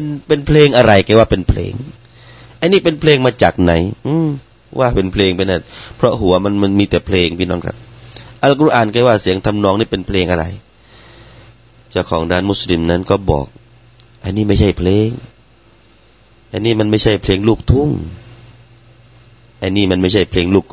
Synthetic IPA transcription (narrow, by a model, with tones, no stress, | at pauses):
pnpe˧npʰleː˧ŋʔa˧ɾa˨˩jkaː˧˩˦waː˧˩pe˨npʰlḛː˧ŋ | ʔa˧jniː˥˩˨pe˨npʰleː˧ŋmaː˧t͡ɕaː˨˩k̚na˨˦jʔɯː˧ | wʔaː˧˩pe˨npʰleː˧ŋpʰa˧jna˧˩npʰɾɔ˧ɦu˨˦ma˧˨nma˧˥˨nmiː˧t̪ɛː˨˩pʰleː˧ŋpʰiː˧˨nɔː˧˩ŋkʰa̰˧p̚ʔa˧la˧˩kɾu˧˩ʔaː˨˩nka˧˩jwaː˧˩si˨˦əŋt̪ʰa˧˨mnɔː˧˨ŋniː˧˥˩pe˨npʰleː˧ŋʔa˧ɾa̰˨˩j | t͡ɕa˧˩wkʰɔː˨˦ŋdaː˧˩˨nmu˧˥˩sli˧mna˧˥˨nkɔː˧˩bɔ̰ː˨˩k̚ | ʔa˧jniː˧˩˨ma˥˩jt͡ɕʰa˧˩jpʰleː˧ŋ | ʔa˧niː˧˥˩ma˧˥˨nma˧˩jt͡ɕʰa˥˩jpʰleː˧ŋluː˧˩k̚t̪ʰu˧˩ŋ | ʔa˧jniː˧˩˨ma˧nma˥˩jt͡ɕʰa˥˩jpʰleː˧ŋluː˧˩k̚